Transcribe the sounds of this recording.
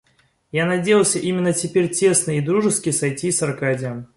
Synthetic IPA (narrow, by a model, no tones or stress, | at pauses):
janɐdʲejɪəlˠsʲəʔimʲɪnːətʲɪpʲeɾʲtʲe̞snɨid̪ɾuʐɨskʲɪsɐjtʲisɐrkadʲɪjəm